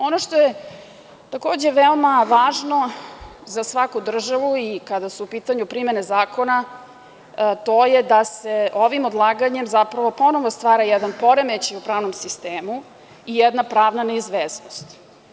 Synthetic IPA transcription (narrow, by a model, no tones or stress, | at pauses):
o̞noʂt̪o̞je | t̪ako̞ːd͡ʑe̞ʋeomaʋaːʒno̞zasʋakud̪r̩ʒaʋuikad̪asuːpiːt̪aɲupɾime̞nezaːko̞na | t̪o̞jed̪aseʔoʋimod̪lˠaːɡaɲe̞mzapɾaʋo̞po̞no̞ʋost̪ʋaːɾajɛd̪anpo̞ɾemet͡ɕiupɾaːʋno̞msist̪eːmu | ijɛd̪napɾaːʋnaneizʋeːsnost̪